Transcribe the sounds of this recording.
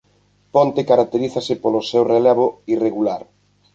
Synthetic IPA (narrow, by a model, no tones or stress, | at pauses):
pont̪ekaɾak̚t̪eɾiθasepolosɛwrelɛβoireɣulaɾ